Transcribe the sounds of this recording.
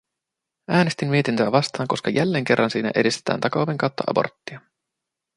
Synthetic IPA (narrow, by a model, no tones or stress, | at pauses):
æːne̞st̪imːie̞t̪int̪øæʋɑst̪ɑːŋko̞skɑjælːe̞ːŋk̟e̞rːɑnsiːnæ̰ʔe̞dist̪et̪ʰæ̰ːnt̪ɑkɑuʋeŋkɑwt̪ːɑ̰ʔɑ̰bo̞̰rt̪ːiɑ